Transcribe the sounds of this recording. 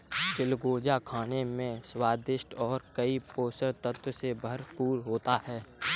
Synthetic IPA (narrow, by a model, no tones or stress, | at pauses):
d͡ʒɪlɡoːd͡ʒakʰaːnemẽswaːd̪ɪʃʈɔːɾkəipoːsəɾt̪ət̪wəsebʱəɾpuːɾɦoːt̪ahɛː